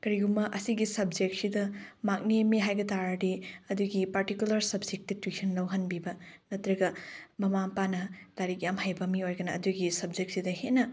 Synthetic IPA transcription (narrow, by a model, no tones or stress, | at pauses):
kɐɾiɡumɐʔɐsiɡisɐbd͡ʒek̚t̚sidɐmak̚nimiɦajɡɐtaɾɐdiɐduɡipɐɾtikjulɐɾsɐbd͡ʒek̚titwisʰɐnlɐwɦɐnbibɐnɐtɾɐɡɐmɐmapanɐtaɾik̚jamhajbɐmiojɡɐnɐːduɡisɐbd͡ʒek̚t̚sidɐhenɐ